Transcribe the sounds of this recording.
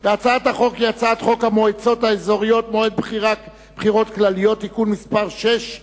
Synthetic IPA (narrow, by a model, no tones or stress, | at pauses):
veat͡saat̪haχo̞kjat͡sat̪χo̞khamoet͡so̞taezo̞ʁijo̞t̪moed̪̚bχiʁa | b̥χiʁo̞t̪klalijo̞t̪ːikunmispaʁʃeʃ